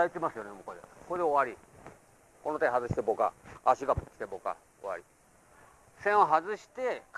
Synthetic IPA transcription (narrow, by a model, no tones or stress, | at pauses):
ait̪emasɨjo̞nemokod̪ḛkod̪eoβaɾʲi | konot̪aiɦazɨɕi̥t̪eboka̰aɕiɡakʲi̥t̪eboka̰ | oβa̰ɾʲi | sẽoɦazɨɕi̥t̪e̞k